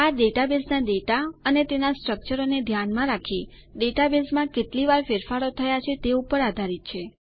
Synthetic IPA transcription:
aɖeʈabesnaɖeʈaənet̪enasʈɾək̚t͡ʃəɾoned̪ʱjanmãɾakʰiɖeʈabesmãkeʈliʋaɾfeɾfaɾot̪ʰəjat͡ʃʰet̪eupəɾad̪ʱaɾit̪̚t͡ʃʰe

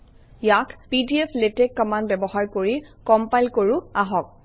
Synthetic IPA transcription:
jakpidiepʰletekːamanbɛbɔɦaɹkoɹikɔmpajlkoɹʊaɦɔk̚

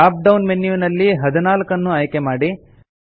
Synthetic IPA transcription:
aːp̚ɖɐwnmenːjuʋnɐlːiɦɐd̪ɐnaːlkɐnːuɐjkemaːɽi

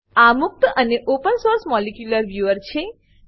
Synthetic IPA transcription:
amuk̚t̪əneʔopənsoɾsmɔlekjuləɾʋjuəɾt͡ʃʰe

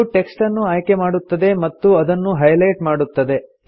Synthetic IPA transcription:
uʈe̞ksʈɐnːuaːjke̞maːɽut̪ːɐd̪e̞mɐt̪ːuɐd̪ɐnːuɦɐjlɐjʈmaːɽut̪ːɐd̪e̞

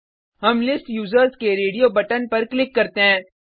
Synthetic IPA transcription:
ɦɐmlɪsʈjuːzəɾzkeɾeːɖijoːbɐʈənpɐɾklɪkːɐɾt̪eɦɛ̃ː

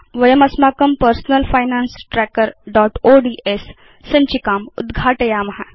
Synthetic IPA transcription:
ʋəjəmɐsmaːkəmpəɾsnəlfajnansʈɾɛkəɾɖɔʈoɖiːʔesː | əɲt͡ɕikaːmṵd̪ɡʱaːʈəjamɐɦa

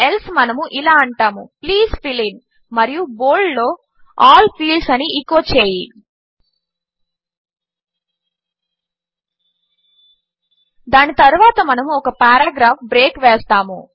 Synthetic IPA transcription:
elsmɐnɐmuʔilaːɐɳʈaːmupliːzpʰilin | mɐɾijuboːllo̞ː | aːlpʰiːlɖsɐniikːoːt͡ʃeːji | d̪aːnit̪ɐɾuʋaːt̪ɐmɐnɐmuɔkɐpaːɾaːɡɾaːpbɾeːkʋeːst̪aːmṵ

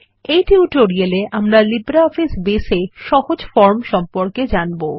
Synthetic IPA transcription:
ejʈiuʈoɾieleʔamɾalibɾaɔfisbeseʃɔɦod͡ʑfɔɾmʃɔmpoɾked͡ʑanbo

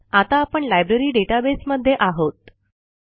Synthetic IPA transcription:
at̪aːpəɳlajbɾeɾiːɖeʈabesməd̪ʱːjeʔaɦot̪̚

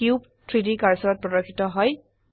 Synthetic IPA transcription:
kjup̚ | tʰɹidikaɹsɔɹɔt̚pɹɔdɔɹkʰːitɔɦɔj

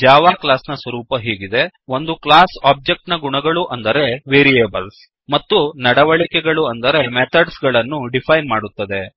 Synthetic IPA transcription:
d͡ʒaːʋaːklaːsnɐsʋɐɾuːpɐɦiːɡid̪e̞o̞nd̪uklaːsaːb̚d͡ʒek̚ʈnɐɡuɳɐɡɐɭuʔɐnd̪ɐɾe̞ʋeːɾijeːbɐls | mɐt̪ːunɐɽɐʋɐɭikɛɡɐɭuɐnd̪ɐɾe̞met̪ʰɐɖsɡɐɭɐnːuɖipʰɐjnmaːɽut̪ːɐd̪e̞

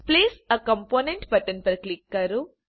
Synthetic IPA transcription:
pliːsɐkɐ̃mpoːneɳʈbɐʈɐnpɐɾklikːɐɾu

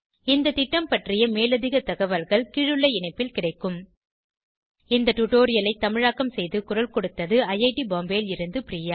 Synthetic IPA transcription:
ɪnd̪ɐt̪ɪʈːɐmpɐʈrɪjɐmeːlɐðɪɣɐt̪ɐɣɐʋɐlɣɐɭkiɻɯɭːɐɪɪɳɐɪpːɪlkɪɽɐɪkːɯm | ɪnd̪ɐʈʊʈːoːɾɪjɐlɐɪt̪ːɐmɪɻaːkːɐmsɛjðɯkʊɾɐlkɔɽɯt̪ːɐðɯɐjɐɪʈibaːmbeːlɪɾɯnd̪ɯpɪɾiːja

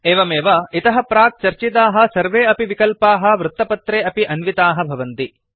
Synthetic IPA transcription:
eːʋɐmeːʋɐit̪ɐɦɐpɾaːk̚t͡ʃɐɾt͡ʃit̪aːɦɐ̆sɐɾʋeːɐpiʋikɐlpaːɦɐ̆ʋɾut̪ːɐpɐt̪ɾeːɐpiʔɐnʋit̪aːɦɐbʱɐʋɐnt̪i

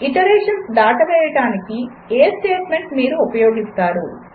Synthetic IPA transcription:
iʈɐɾeːʂɐnsd̪aːʈɐʋɛːjɐʈaːniki | eːsʈeːʈme̞ɳʈmiːɾuːpɐjo̞ːɡist̪aːɾu

